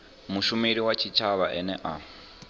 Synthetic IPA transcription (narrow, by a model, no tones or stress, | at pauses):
muʃumiɾiwat͡ʃʰit͡ʃʰaβaʔɛnɛ̰ʔa